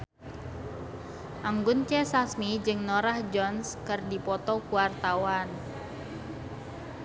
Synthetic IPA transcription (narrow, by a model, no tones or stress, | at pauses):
ʔaŋɡʊnt͡ʃɛsasmid͡ʒɨŋnɔɾahd͡ʒɔnskɨrdipɔt̪ɔkuwart̪awan